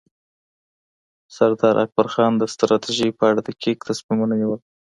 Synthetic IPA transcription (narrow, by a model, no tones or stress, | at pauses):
saɾd̪ɑɾʔa̰k̚baɾxɑnd̪əst̪ɾɑt̪ʰiʒipəaɽad̪əkʰek̚t̪asmimunaniwəl